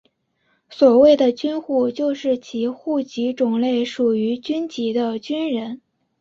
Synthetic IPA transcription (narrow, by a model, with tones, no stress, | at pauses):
swɔ˨˩we˥˩ɪd̪ə˩t͡ɕy˥nxu˥˩t͡ɕjo˥˧ʊʂɻ̩˥˩t͡ɕʰi˧˥xu˥˩t͡ɕi˧˥ʈ͡ʂʊ˨˩ŋle˥˩ɪʂu˨˩y˧˥t͡ɕy˥nt͡ɕi˧˥d̪ə˧t͡ɕy˥nɻə˧˥n